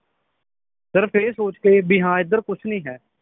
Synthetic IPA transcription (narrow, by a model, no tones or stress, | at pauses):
səɾpʰeːɾsoːt͡ʃkeːbɪɦãːɪd̪əɾkʊt͡ʃʰnĩːɦɛː